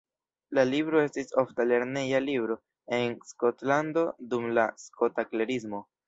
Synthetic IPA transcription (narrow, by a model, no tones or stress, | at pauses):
lalibɾo̞e̞stisoftale̞ɾne̞jalibɾo̞ | e̞nsko̞tlando̞dumlasko̞takle̞ɾismo̞